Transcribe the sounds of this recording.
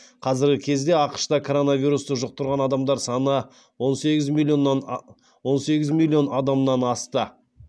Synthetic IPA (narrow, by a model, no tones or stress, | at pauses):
qʰɑzɪɾɡʲɪkʲʰe̞zd̪e̞ɑqə̥ʃt̪ɑkʰo̞ɾo̞navʲijɾust̪əʒʊq̚t̪ʊɾʁɑnɑd̪ɑmd̪ɑɾsɑnə | wo̞nse̞ɡʲɪzmilʲonːɑ | wo̞nse̞ɡʲɪzmilʲˠːio̞nɑd̪ɑmnɑnɑst̪ə